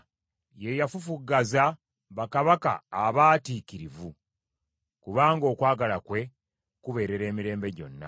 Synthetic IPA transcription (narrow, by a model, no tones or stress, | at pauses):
je̞jafufuɡaza | βakaβaka̰ːβaːtiːciɾivu | kuβaːŋɡo̞ːkwaːɡalakwe̞ | kuβe̞ːɾe̞ɾe̞ːmiɾe̞ːmbe̞ɟo̞̰nːa̰